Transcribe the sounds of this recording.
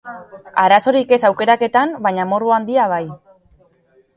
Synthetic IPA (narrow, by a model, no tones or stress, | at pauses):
aɾaso̞ɾike̞sawke̞ɾake̞t̪ambaɲamo̞ruand̪iaβ̞aj